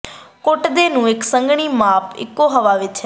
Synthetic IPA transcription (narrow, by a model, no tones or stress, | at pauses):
kʊʈd̪eːnũːɪksəŋɡɳ̃iːmaːpɪ̰kːoːɦəʋaːʋɪt͡ʃɦɛ